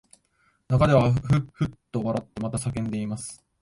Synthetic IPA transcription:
nakad̪e̞β̞aɸɯ̟ɸɯ̟t̪ːo̞βaɾat̪ːe̞mat̪asakẽ̞nd̪e̞imasɨ̥

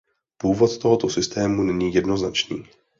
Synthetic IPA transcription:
puːvo̞t̪t̪o̞ɦo̞t̪osɪst̪ɛːmunɛɲiːjɛdno̞znat͡ʃniː

